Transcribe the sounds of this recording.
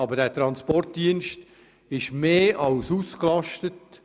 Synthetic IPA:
ɑbədæːtɾɑnspɔrt̚diənʃt | ɪʃmeːʔɑlsuːsklɑʃtət

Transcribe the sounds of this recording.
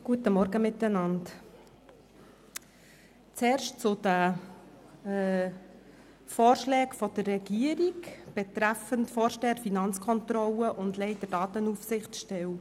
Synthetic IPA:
ɡ̥uətəmɔɾɡəmɪtːənɑnt | t͡sɛːɾʃt͡sʊd̥ə | fɔːɾʃlɛːkfɔd̥ərːɛɡ̥iəɾikb̥ɛtɾæfəntfɔːɾʃtɛːɾfinɑnt͡skʰɔnt̪ɾɔləʔʊndlɛɪdədɑːt̪ənufsɪχtʃtɛw

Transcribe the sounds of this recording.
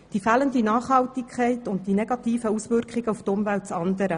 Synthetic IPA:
d̥ifæːləndinɑːχhɑltikʰɛɪtʊnt̚d̥ineɡ̥ɑtiːfəusʋʏrkχɪɡəuft̪ʊmvælt̚t͡sɑnd̪əɾə

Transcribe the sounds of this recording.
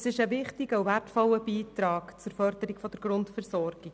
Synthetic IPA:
sɪʃəvɪχtiɡəuværtfɔlːəbiːtɾɑːkt͡sʊɾfœɾd̥̪əɾiɡfɔd̥̪əɾɡ̥ɾʊntfɛɾsɔɾɡ̥i

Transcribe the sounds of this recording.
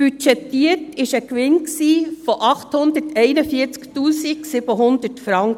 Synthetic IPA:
b̥yt͡ʃɛt̪ːiətɪʃəkʋɪnksiːfɔʔɑχthʊnd̪ətʰɛɪnəfiːəɾt͡sktuːsiksɪbəɦʊnd̪ətfɾɑŋk

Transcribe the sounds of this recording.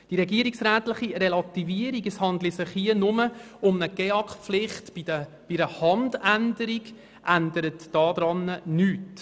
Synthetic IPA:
d̥iɾɛɡiəɾiksɾæːtlɪχiɾɛlɑtiviəɾiɡəshɑndlisɪχhiənʊmə | ʊmnəɡ̥eɑkχflɪχtiə | b̥iɾəhɑndændəɾiɡ | ʔændəɾətːɑːd̥ɾɑnːənyːt

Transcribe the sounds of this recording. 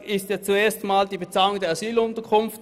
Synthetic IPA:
ɪstjat͡sueːɐstmaːld̥iːbet͡saːlʊŋdeːɐazyːlʊntəkʰʊnft

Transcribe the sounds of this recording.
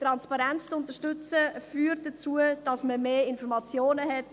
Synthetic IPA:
tɾɑnspɑɾɛnt͡st͡sʊntəʃtʏt͡səfyːɾt̚d̥ət͡suəd̥ɑsməmeːɪnfɔɾmɑt͡sjoːnəɦɛt

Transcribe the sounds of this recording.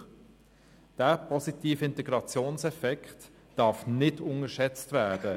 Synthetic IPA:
d̥æːpʰɔsitiːfɪntɛɡ̥ɾɑt͡sjoːnsɛfɛkt | d̥ɑfnɪdʊŋəʃɛt͡stvæːd̥ə

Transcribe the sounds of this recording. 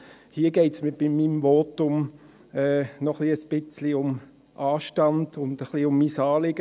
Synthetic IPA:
hiːɡɛɪtsmib̥ɪmːiːmvɔtʊm | ɛːnɔχliəsb̥ɪt͡sliʊm | ʔɑːʃtɑnd̥ʊnd̥əχliʊmːiːsɑːlɪɡ̥ə

